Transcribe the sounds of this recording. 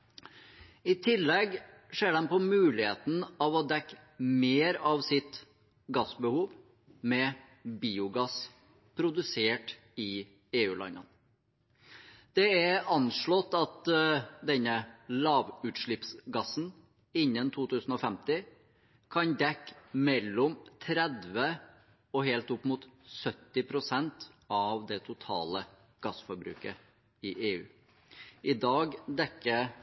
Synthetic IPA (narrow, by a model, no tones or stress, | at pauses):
ɪt̪ʰɪlːɛɡʂeːɖɛnpɔmʉːlɪhḛːt̪n̩ɑʋɔd̪ɛkːmeːɾɑʋsɪt̪ | ɡɑsbəhuːʋ | mɛ | biːʊɡɑs | pʰɾʊd̪ʉseːʈ | ɪ | eːʉ̰ːlʔɑ̰nɑ̰n | d̪̥ɛɛɑnʂɭɔt̪ːɑt̪d̪ɛnəlɑːʋʉːt̪ʂɭɪpsɡɑsn̩ | ɪnːənt̪ʰuːt̪ʰʉːsn̩ɔfɛmt̪ɪ | kʰɑnd̪ɛkːmɛlːɔmt̪ʰɾɛd̪ʋə | ɔhelt̪ʊpːmuːt̪sœt̪ːɪpʰɾʊsɛnt̪ɑʋd̪ɛt̪ʰʊt̪ʰɑ̰ːlə | ɡ̥ɑsfɔɾbɾʉ̰ːkə | ɪʔeːʉ̰ː | ʔɪd̪ɑːɡd̪ɛkːə